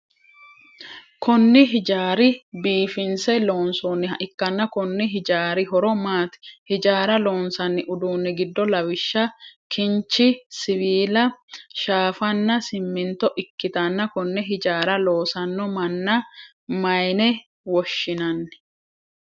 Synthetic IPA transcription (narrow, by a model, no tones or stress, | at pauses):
kʰʊnːɪɦɪd͡ʒaːɾɪbiːfɪnsɛloːnsoːnːɪɐʔɪkːɐnːɐkʊnːɪɦɪd͡ʒaːɾɪɦɔɾɔmaːt̪ɪ̥hɪd͡ʒaːɾɐlo̞ːnsɐnːɪʔʊd̪uːnːɪɡɪd̪ːɔlɐwɪʃːɐkɪnt͡ʃːɪsɪwiːlɐʃaːfɐnːɐsɪmːɪnt̪ɔʔɪkːɪt̪ɐnːɐkʊnːɛɦɪd͡ʒaːɾɐloːsɐnːɔmɐnːɐ | mɐjnɛ | wɔʃːɪnɐnːɪ̥